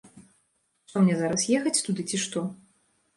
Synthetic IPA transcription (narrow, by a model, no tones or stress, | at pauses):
ʂt̪ɔmnʲɛzaɾɐsjɛxɐt͡sʲt̪ud̪ɨt͡sʲiʂt̪ɔ